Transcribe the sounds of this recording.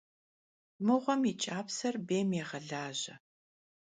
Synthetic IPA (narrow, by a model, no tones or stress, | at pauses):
mɨʁʷɔmit͡ʃʼaːpsɐrbeːmjeʁɐɮaːʑɐ̰